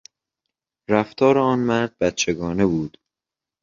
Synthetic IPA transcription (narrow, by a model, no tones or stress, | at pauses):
ɾæft̪ʰɒːɾeɒːnmæɾd̪̚bæt̪t͡ʃʰe̞ɡɒːne̞buːd̪̥